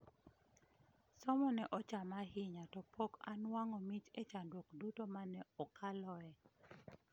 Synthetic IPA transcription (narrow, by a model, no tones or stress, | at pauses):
sɔmɔnɛʔɔt͡ʃamahɪɲatɔpʰoka̰nwaŋɔmit͡ʃet͡ʃandwokdutomanɛɔkʰalɔɛ